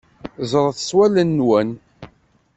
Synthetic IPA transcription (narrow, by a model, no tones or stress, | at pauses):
zˤəɾˤθəswælənːwæn